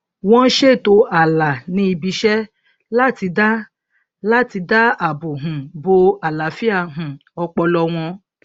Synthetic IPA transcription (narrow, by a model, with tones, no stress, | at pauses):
w̃ɔ̃˦n̩˦ʃe˦˨to˧˦a˦˨la˨nĩ˦i˧bi˧˦ʃɛ˦ | la˦ti˧da˦ | la˦ti˧da˦a˨bo˨ɦũ˨bo˧a˨la˨fi˦a˦˨ɦũ˨ɔ˧k͡pɔ˧lɔ˧w̃ɔ̃˧